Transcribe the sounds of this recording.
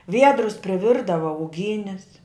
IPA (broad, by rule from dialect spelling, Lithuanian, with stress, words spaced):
ˈʋʲiɛdrʊs pʲrʲɪˈʋʲɪrdɐʋɐ ʊˈɡʲiːnʲɪs